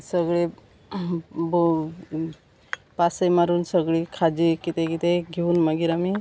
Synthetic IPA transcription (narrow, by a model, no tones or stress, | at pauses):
səɡɭe | b | pasəjmaɾunsəɡɭikʰad͡ʒikit̪ekit̪eɡʱiunməɡiɾami